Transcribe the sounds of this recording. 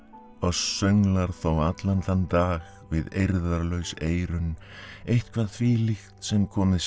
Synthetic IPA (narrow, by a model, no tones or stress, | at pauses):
ɔɣsœŋlaɾ̥θowat̪lanθant̪aːɣ | vɪðejɾðaɾlœɥseːjɾʏn | ejht̪kʰv̥aɾ̥θʰviːlixt̪sɛmkʰɔːmɪs